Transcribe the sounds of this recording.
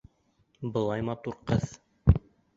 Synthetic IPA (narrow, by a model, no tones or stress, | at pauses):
bɤ̆lˠɑjmɑt̪uɾqɤð